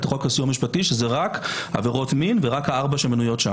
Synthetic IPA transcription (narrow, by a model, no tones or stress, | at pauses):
tχokasuamiʃpatiʃezeʁakha̰veʁo̞tminveʁakhaaʁbaʃemanujo̞tʃa